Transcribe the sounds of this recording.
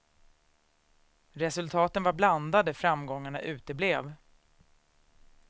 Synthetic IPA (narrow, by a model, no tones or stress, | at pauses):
ɾɛsɵlt̪ʰɑːt̪ənvaɾbland̪ad̪əfɾamɡɔŋːaɳaʔʉ̟ːt̪əbleːv